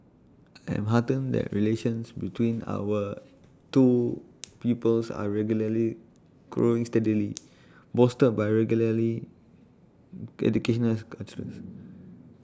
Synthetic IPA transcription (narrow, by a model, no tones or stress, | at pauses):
aɛ̰̃mɦatə̃ndɛ̰ʔɹileʃə̃nsbitwĩna̰wə | tupipəlsa̰ɹɛɡjuləli | ɡ̥ɹoĩŋstɛdili | bɔstət̚bajɹɛɡjuləli | ɛ̰dukeʃɔ̃nəlkat͡ʃəɹə̰̃s